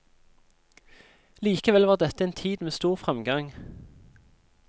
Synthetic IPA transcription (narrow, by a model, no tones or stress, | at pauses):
liːkəʋɛlʋɑːʁd̪ɛt̪əeːnt̪ʰiːd̪meːst̪uːʁfʁɛmɡɑŋ